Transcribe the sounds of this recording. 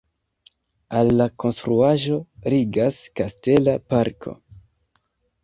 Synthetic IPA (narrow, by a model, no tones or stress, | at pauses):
alːako̞nstɾuaʒo̞ɾiɡaskaste̞lapaɾkʰo̞̰